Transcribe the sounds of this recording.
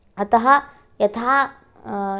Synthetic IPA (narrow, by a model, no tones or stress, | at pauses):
ɐt̪ɐɦɐ | jɐt̪ʰaː